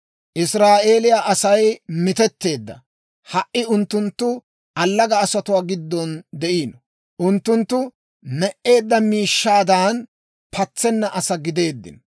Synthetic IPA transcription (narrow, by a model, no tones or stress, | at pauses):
ʔɪsɾaːʔe̞ːlɪjaʔɐsɐjmɪt̪ɛt̪ːe̞ːd̪ːɐ̰ | hɐʔɪʊnt̪ːʊnt̪ːʊ | ʔɐlːɐɡɐːsɐt̪ʊwaːɡɪd̪ːɔnd̪ɛʔiːnɔ | ʔʊnt̪ːʊnt̪ːʊ | nɛʔe̞ːd̪ːɐmiːʃːaːd̪aːn | pʰɐt͡sːɛnːɐʔɐsɐɡɪd̪e̞ːd̪ːɪ̰n